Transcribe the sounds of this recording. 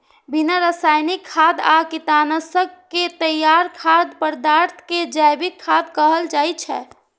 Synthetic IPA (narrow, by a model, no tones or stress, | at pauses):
binəɾəsajnikʰːad̪akit̪anəsəkːet̪əjːaɾkʰad̪pəɾd̪aɾt̪ʰked͡ʒabikʰːad̪kəɦəld͡ʒajt͡ʃʰɛ̰